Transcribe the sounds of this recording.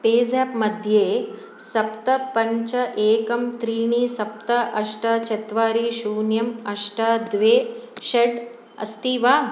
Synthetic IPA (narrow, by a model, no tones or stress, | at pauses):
peːzaːpmɐd̪ʱjeː | sɐpt̪ɐpɐɲt͡ʃɐʔeːkɐmt̪ɾiːɳisɐp̚t̪ɐʔɐʂʈɐt͡ʃɐt̪ʋaːɾiʃuːnjɐmɐʂʈɐd̪ʋeːʃɐɖ | ɐ̰st̪iːʋaː